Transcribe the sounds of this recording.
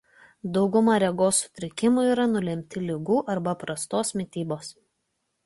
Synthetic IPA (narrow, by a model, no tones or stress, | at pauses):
d̪ɒʊɡʊmɑɾʲɛɡoːsːʊ̥t̪ʲɾʲɪkʲɪmʊiːɾɐnʊlʲɛmʲt̪ʲɪlʲɪɡuːʔɐɾbɐpɾɐst̪oːsmʲɪt̪ʲiːboːs